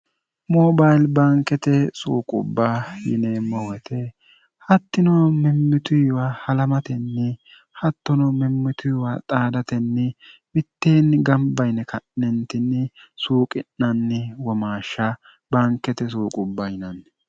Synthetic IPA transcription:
moːbajlbaːŋkːɛt̪ɛsṵːkʼʊ̰bːajɪ̰neːmːɔwɛt̪ɛ | hɐt̪ːɪnɔmɛmːɪt̪ʊjwahɐlɐmɐt̪ɛnːɪ | hɐt̪ːɔnɔmɛmːɪt̪ʊjwat̪ʼaːd̪ɐt̪ɛnːɪmɪt̪ːeːnɡɐmbɐjnɛkʰɐnːɛnt̪ɪnːɪsuːkʼɪnːɐnːɪwɔmaːʃːɐ | baːŋkːɛt̪ɛs̬uːkʼʊbːɐjɪnɐn

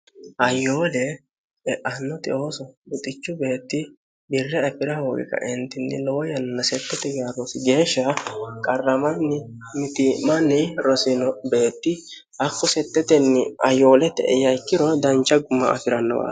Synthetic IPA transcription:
ʔɐjːo̞ːlɛ | ɛʔɐnːɔt̪ʼɪ̰o̞ːsɔʊt̪ʼɪt͡ʃːʊbe̞ːt̪ːɪ | bɪrːɛɐpɪɾɐho̞ːɡɪ̰kɐ̰ʔɪnt̪ːɪnːɪ̰lɔwɔjɐnːɐsɛt̪ːɛt̪ɛɡɪjaɾɔsɪɡe̞ːʃːɐkʼɐrːɐmɐnːɪ | mɪt̪ɪmɐnːɪɾɔsɪnɔbe̞ːt̪ːɪ | ɐkːɔsɛt̪ːɛt̪ɛnːɪɐjːo̞ːlɛt̪ːɛ̰ʔɛjɐjkːɪɾɔd̪ɐnt͡ʃːɐɡʊmːɐ̰ɐ̰fɪɾɐnːɔ̰wa̰ː

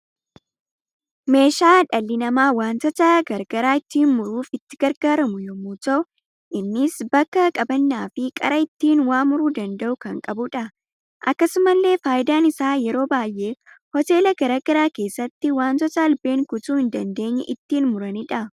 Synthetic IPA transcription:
me̞ːʃaːᶑɐlːɪnɐmaːwaːnt̪ɔt̪aɡɐɾɡ̥ɐɾaːɪt̪ːiːnmʊɾuːfɪt̪ːɪ̥ɡ̥ɐɾɡaːɾɐmʊjɔmuːt̪ɐ | ʔɪnːɪsbɐkːɐkʼɐbɐnːaːfɪkʼɐ̰ɾɐɪt̪ːiːnwaːmʊɾuːd̪ɐnd̪ɐʔʊkɐŋkʼɐbʊᶑɐ | ʔɐkːɐsʊmɐlːe̞ːfaːjɪd̪aːnɪsaːjɛɾo̞ːbaːjʔːe̞ː | hɔt̪e̞ːlɐɡɐɾaːɡ̥ɐɾaːke̞ːsːɐt̪ːɪwaːnt̪ɔt̪ɐːlbe̞ːŋkʊt̪uːɪnd̪ɐnd̪e̞ːɲːɛ̰ʔɪt̪ːiːnmʊɾɐnɪᶑɐ

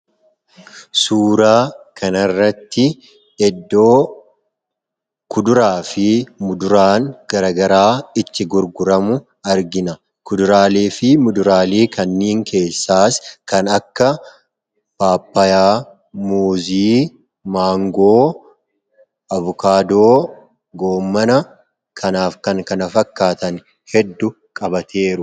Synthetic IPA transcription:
suːɾaːkʰɐnɐrːɐt̪ːɪ | ɛd̪ːo̞ː | kʊd̪ʊɾaːfɪmʊd̪ʊɾaːŋɡ̥ɐɾɐɡɐɾaːɪt̪ːɪɡʊɾɡʊɾɐmʊ | ɐɾɡɪnɐ | kʊd̪ʊɾaːleːfɪmʊd̪ʊɾaːleːkʰɐnːiːŋkʰe̞ːsːaːskɐnɐkːɐ | b̥aːpːɐjaː | muːziː | maːŋɡoː | ɐvʊkaːd̪oː | ɡo̞ːmːɐnɐ | kʰɐnaːfkɐŋkɐnɐfɐkːaːt̪ɐn | hɛd̪ːʊ | kʼɐbɐt̪ʰe̞ːɾʊ

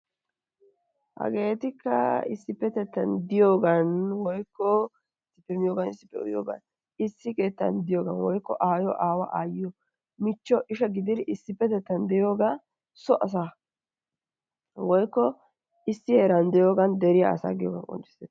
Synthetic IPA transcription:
hɐ̰ɡe̞ːt̪ɪkːɐ̰ɪ̰sːɪpːɛt̪ɛt̪ːɐnd̪ɪjoːɡɐnwɔjkːɔ | ɪsːɪpːɛmɪjoːɡɐnɪsːɪ̥pːɛ̰ʊ̰jo̰ːɡɐ̰n | ɪsːɪke̞ːt̪ːɐ̰nd̪ɪjoːɡɐnwɔjkːɔ̰ʔaːjɔʔaːwɐʔaːjɪjɔ | mɪt͡ʃːɔʔɪʃɐɡɪd̪ɪɾɪsːɪpːɛt̪ɛt̪ːɐnd̪ɛjo̞ːɡa | sɔʔɐs̬a | wɔjkːɔ | ɪsːɪheːɾɐnd̪ɛjoːɡɐnd̪ɛɾɪja̰ːsa̰ːɡɪjoːɡɐ̰nkʼɔ̰nt͡ʃːɪ̥sɛt̪ː

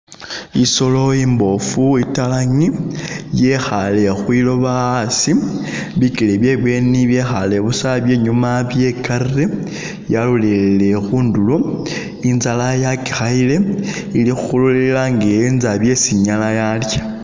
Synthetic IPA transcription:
iso̞lo̞iːmbo̞fuitalaŋije̞xale̞xwilo̞βaːsiβikileβje̞ːβwe̞niβje̞xale̞βusaβje̞ːɲumaβje̞kaɾire | jalulelle̞xuːndulo | inzalajaki̥xaile̞ | ilixuxululelaŋɡeinzaβje̞siɲalajaljḁ

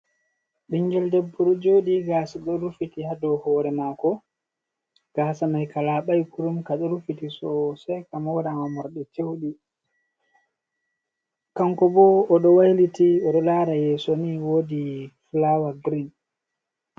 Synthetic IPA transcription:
ɗiɲd͡ʒɛldɛbːuɾud͡ʒowɗiɡaːsaɗɔɾufitihadɔhɔːɾɛmakɔ | ɡ̥aːsanajkalaɓajkuɾumkaɗɔɾufitisɔsɛjkamɔwɗamamɔɾɗɛtewɗi | kaŋkɔbɔːɗɔwajlitiɔɗɔlaɾajɛsoniwoːdifulawaɡɾin

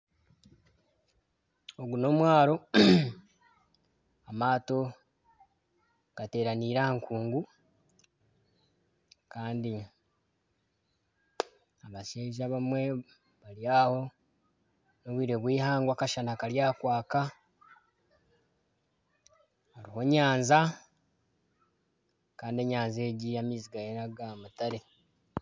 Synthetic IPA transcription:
oɡuno̞mwaːɾo̞ | amaːto̞ | ɡ̥ate̞ːɾaniɾaŋkʰuːŋɡu | kaːndi | aβaʃeːʒaβamwe̞ | βaliaho̞ | no̞βwiːɾe̞βwiːhaːŋɡwakaʃanakaɾjaːkwaːka | haɾiho̞ɲaːnza | kaːndie̞ɲaːnze̞ːɟijamiːziɡajenaɡamutaɾe̞

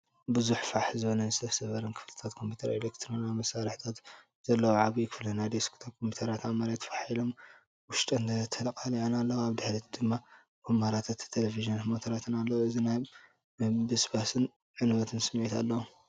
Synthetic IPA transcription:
bɨzuħfaħzɨβonɐnzɨst̪ʰɐfsɐβɐɾɐnkʰɨ̥flt̪ʰat̪kʰo̞mpʰju̥t̪ʰɐɾelekt̪ʰɾonamɐsaɾɨħt̪ʰat̪ | z̥ɐlːɐwʕaβujɪkʰɨflɐnajd̪eskʰt̪ʰɐkʰompʰut̪ʰɐɾat̪amaɾat̪ʰːfaħilo̞m | wʊʃt̪ʼɐnt̪ʰɐt̪ʰɐlɐkʼaliʕanalːɐwaβd̪ɨħɾit̪d̪ɨmːa | kʰumaɾat̪ʰat̪ʰːelefiʒiɐnmot̪ʰɐɾat̪ʰɨnalːɐwoɨzinaj | bɨsbasɨn | ʕɨnwɐt̪ʰɨnsɨmʕit̪alːɐwu

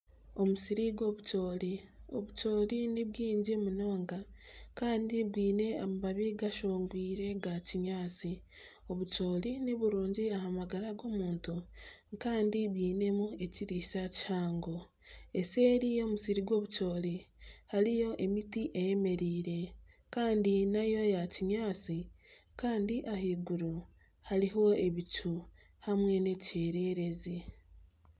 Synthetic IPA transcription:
o̞musiɾiɡo̞βuco̞ːlio̞̰βuco̞ːɾiniβwiːɲɟemuno̞ːŋɡakaːndibwiːne̞amumaβiɡaʃoːŋɡwiːɾe̞ɡaciɲaːt͡si | o̞βut͡ʃo̞ːliniβuɾuːɲɟiaɦamaɡaɾaɡo̞ːmuːntukaːndibwiːne̞mue̞ciɾisaci̥haːŋɡo̞ | eseːɾijo̞ːmusiɾiɡwo̞ːβuco̞ːlihalijo̞ʔe̞mitiʔeje̞me̞ɾiːɾe̞ | kaːndinajo̞jaciɲaːt͡si | kaːndiʔaɦiːɡuɾu | haliɦo̞e̞βicu | hamwe̞ne̞ceːɾe̞ɾe̞zi

